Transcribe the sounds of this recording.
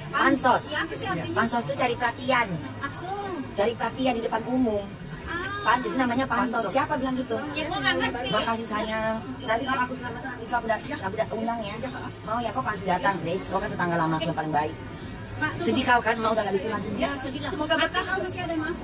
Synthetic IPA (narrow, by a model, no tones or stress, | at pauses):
ppansɔt̪̚ | pansɔt̪̚t̪ut͡ʃaɾipəɾat̪ian | t͡ʃaɾipəɾat̪iandidəpanumʊŋ | panit̪unamaɲapansɔsiapabilaŋɡit̪uaaaabakasisajaənanp̪ikaakusamaisakudanakudaʔundaŋja | maujakapasidat̪aŋɾɛskaukant̪ət̪aŋɡalamaklapalɪŋbaɪk̚ | səd͡ʒikaukanmauɡaɡaʔbit̪iɾansəndiasoɡaaasa